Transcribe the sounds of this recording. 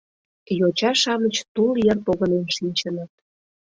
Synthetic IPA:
jot͡ɕɑʃɑmət͡ɕt̪uljərpoɣənenʃinʲt͡ɕənət̪̚

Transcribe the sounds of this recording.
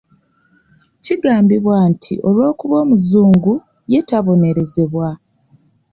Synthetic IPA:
ciɡaːmbiβwaːntʰḭʔo̞lwo̞ːkuβo̞ːmuzuːŋɡu | je̞taβo̞ne̞ɾe̞ze̞βwa

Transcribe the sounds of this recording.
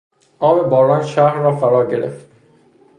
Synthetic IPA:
ʔɒːme̞bɒːɾɒːnʃæhɾːɒːfæɾɒːɟeɾḛft̪

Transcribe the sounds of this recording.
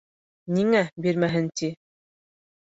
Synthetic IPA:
niŋæbiɾmæɦɘnt̪i

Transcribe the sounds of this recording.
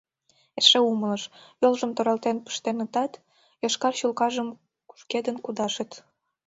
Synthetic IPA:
eʃeumələʃjolʒəmt̪oɾɑlt̪enpə̥ʃt̪enət̪ɑt̪ | jɑʃkɑrɕulkɑʒəm | ku̥ʃked̪ənkud̪ɑʃət̪

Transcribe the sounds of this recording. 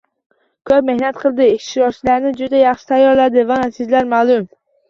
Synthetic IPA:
kʲʰøp̚mehnæt̪̚qʰəlˠd̪ɪɪʃt̪ʃɾɑɾt͡ʃʰilæɾnɪd͡ʒʊd̪ɛjɑχʃɪ̥t̪ʰæjːɒɾlæd̪ɪvanæsɪzlæɾmælˠum

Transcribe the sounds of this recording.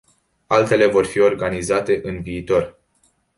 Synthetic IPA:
alt̪e̞le̞vo̞rfio̞rɡanizat̪e̞ʔɨnviːt̪o̞r

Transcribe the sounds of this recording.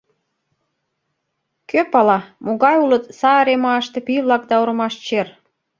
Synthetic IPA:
køpɑlɑmoɣɑjulə̆t̪sɑəɾemɑəʃt̪ĕpiβlɑk̚d̪ɑoɾɤ̆mɑʃt͡ɕer

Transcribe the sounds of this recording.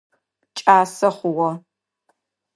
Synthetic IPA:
t͡ʃʼaːsɐχʷʊwɔ

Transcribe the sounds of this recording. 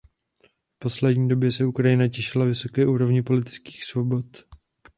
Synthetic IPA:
fpo̞slɛdɲiːdo̞bjɛsɛukɾajɪnacɛʃɪlavɪso̞kɛːʔuːɾo̞vɲɪpo̞lɪt̪ɪ̥t͡ski̥ːxsvo̞bo̞t̪

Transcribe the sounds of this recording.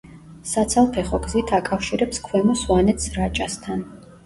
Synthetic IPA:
sat̪sʰalˠpʰɛχɔɡzit̪ʰakʼafʃiɾɛpskʰwɛmɔswanɛt̪sɾat͡ʃʼast̪ʰan

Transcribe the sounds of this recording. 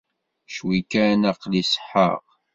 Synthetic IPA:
ʃwikænɑqlisə̥ħə̰ʁ

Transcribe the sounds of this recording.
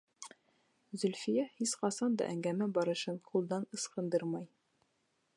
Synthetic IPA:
zɵ̆lfijæhisχɑsɑnd̪ɑ̰ʔæŋɡæmæbɒɾɤ̆ʃɤnqʰulˠd̪ɑnɤ̆sqɤ̆nd̪ɤɾmɑj

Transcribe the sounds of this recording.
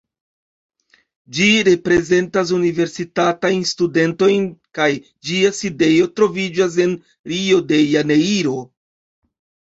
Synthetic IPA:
d͡ʒiɾe̞pɾe̞ze̞ntas̬unive̞ɾsitatajnstude̞nto̞jnkaj | d͡ʒiaside̞jo̞tɾo̞vid͡ʒas̬e̞n | ɾio̞de̞janeiɾo̞

